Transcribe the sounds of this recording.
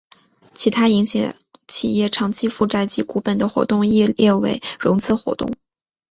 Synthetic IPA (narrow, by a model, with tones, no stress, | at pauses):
t͡ɕʰi˧˥t̪ʰa˥i˧˥ŋɕjɑ̰˧˩ | t͡ɕʰḭ˨˩jɛ˥˩ʈ͡ʂʰɑ˧˥ŋt͡ɕʰi˧˥fu˥˧ʈ͡ʂa˥˩ɪt͡ɕi˧˥ku˧˥pə˨˩nd̪ə˦xwɔ̰˧˥t̪ʊ˥˧ŋi˥˧jɛ˥˩wḛ˧˩ɪɻʊ˧˥ŋt͡sʰɹ̩˥˩xwɔ̰˧˥t̪ʊ̰˥˩ŋ